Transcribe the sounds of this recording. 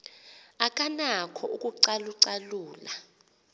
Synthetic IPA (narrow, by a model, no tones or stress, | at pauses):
akʼanakʰɔukʼuǀaluǀaluːla